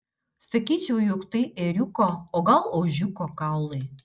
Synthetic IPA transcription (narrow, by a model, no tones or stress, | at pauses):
sə̆kit͡ɕvujukt̪iʔeɾʲukoːɣɑlˠoʑukokɑwle